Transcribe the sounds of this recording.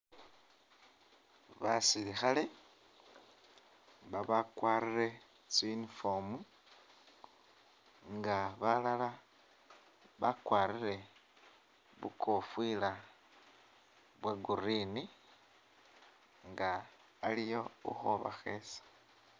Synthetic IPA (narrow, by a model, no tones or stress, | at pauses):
βasilixale̞ | βaβakwaːrire̞ | t͡swinifomu | ŋɡaβalala | βakwaːɾiɾe̞ | βṵkʰo̞fwila | βwaɡurini | ŋɡaː | lijo̞ṵxoβa̰xe̞sḁ